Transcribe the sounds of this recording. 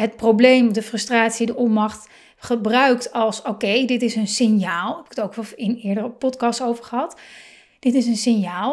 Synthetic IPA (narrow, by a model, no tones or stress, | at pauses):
ɦətprowblejmdəfrɵstraːtsidəʔɔmɑχt | χəbrœɥktɑlˠsokejdɪtɪsənsɪnjaːlˠɦɛpɪkətowkʋɛɪnɪːɹdərəpɔtkɑstowvəɹχəɦɑt | d̥ɪtɪsənsɪnjaːlˠ